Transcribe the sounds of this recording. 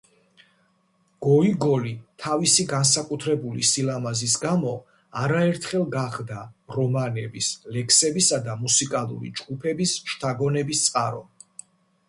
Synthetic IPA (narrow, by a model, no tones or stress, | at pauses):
ɡ̥ɔiɡɔlit̪ʰavisiɡansakʼut̪ʰɾɛbulisilamazis̬ɡamɔ | aɾaɛɾt̪ʰχɛlˠɡaχd̪aɾɔmanɛbislɛkʰsɛbisad̪amusikʼalˠṵɾḭd͡ʒɡupʰɛbisʃt̪ʰaɡɔnɛbist̪sʼqʼaɾɔ